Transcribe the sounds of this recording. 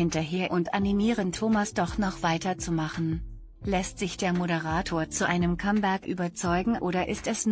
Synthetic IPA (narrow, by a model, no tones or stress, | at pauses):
hɪntɐɦeːɐʔʊntʔanimiːʁəntʰoːmasd̥ɔχnɔχv̥aɪtɐt͡sumaχn̩ | lɛstz̥ɪçd̥eːɐmoɾəʁ̞aːtʰoːɐt͡suʔaɪnəmkʰambɛɐkʔy̰ːbɐt͡sɔʏɡŋ̩ʔoːɾɐʔɪstɛsn